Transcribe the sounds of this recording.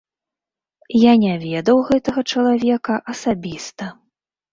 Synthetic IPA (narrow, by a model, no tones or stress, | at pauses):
janʲavʲɛd̪ɐwɣɛt̪ɐɣɐt͡ʂɐlˠavʲɛkɐʔɐsabʲist̪ɐ